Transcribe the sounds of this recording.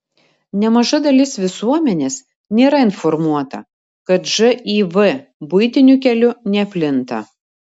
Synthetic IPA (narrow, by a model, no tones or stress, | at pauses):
nʲɛmɐʒɐd̪ɐlʲɪsʋʲɪsuɔmʲɛnʲeːs | nʲeːɾɐɪnfɔɾmuɔt̪ɐ̰ | kɐt̪ʒɨʔiːʋɨbʊɪt̪ʲɪnʲʊkʲɛlʲʊnʲɛpʲlʲɪnt̪ɐ̰